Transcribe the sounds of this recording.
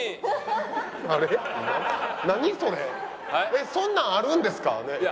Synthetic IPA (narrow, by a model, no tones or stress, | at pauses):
aɾe | naɲ̟iso̞ɾe | esõ̞nːãɰ̃aɾɯ̟̃nd̪e̞sɨ̥ka̰ne